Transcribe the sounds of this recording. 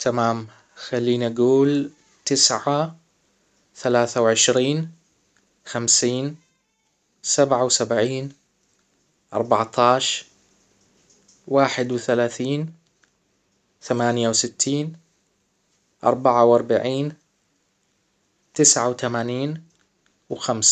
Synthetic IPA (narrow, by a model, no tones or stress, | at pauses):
t̪ʰamaːm | xalːiːnʔaɡuːl | t̪ɪsʕa | θalaːθawʕɪʃɾiːn | xamsiːn | sabʕawsabʕiːn | ʔɑ̰ɾˤbɑʕt̪ʰɑːʃ | waːħɪd̪wθalaːθiːn | θamaːnjawsɪt̪ʰːiːn | ʔɑ̰ɾˤbaʕawʔɑɾˤbaʕiːn | t̪ɪsʕawt̪amaːniːn | wxams